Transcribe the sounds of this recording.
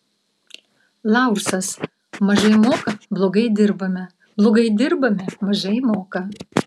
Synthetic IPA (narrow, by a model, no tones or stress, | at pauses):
lˠɑˑʊʃsɐs | mɐʒɐɪmoːkɐblˠoːɡɐɪd̪ʲɪɾbɐmʲɛ | blˠoːɡɐɪd̪ʲɪɾbɐmʲɛmɐʒɐɪmoːkɐ